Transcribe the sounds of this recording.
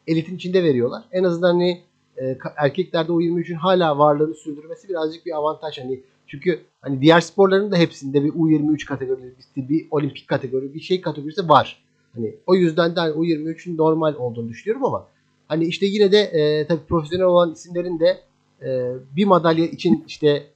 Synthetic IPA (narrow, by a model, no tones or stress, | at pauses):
e̞lʲit̪ʰinit͡ʃʰind̪ɛve̞ɾijo̞lˠaɾ̥ɛnazɯnd̪anhaniː | kʰaæɾcʰɛclʲæɾd̪ɛujiɾmiyt͡ʃʰynɦaːlʲaːvaɾlˠɯːnɯsyɾd̪yɾme̞sibiɾazd͡ʒɯk̚biavant̪ʰaʃhani | t͡ʃʰyɲcʰy | hanid̪ijæɾspoɾlˠaɾɯnd̪aɦepsind̪ɛbiʔujiɾmiyt͡ʃkʰat̪ʰeɡo̞ɾibist̪ʰibio̞lʲimpʰi̥ckʰːat̪ʰe̞ɡo̞ɾibiʃejkʰat̪ʰeɡo̞ɾisivaɾ̝̥ | hanio̞jyzd̪ænd̪ɛhaniujiɾmiyt͡ʃʰynːo̞ɾmalʲo̞lˠd̪uːnud̪yʃynyjo̞ɾumama | haniiʃt̪ʰɛjinɛd̪ɛʔːt̪ʰabiːpʰɾo̞fes̬jo̞nɛlʲolˠanisimlʲe̞ɾind̪ɛ | ɛːbimad̪alʲjait͡ʃʰiniʃt̪ʰɛ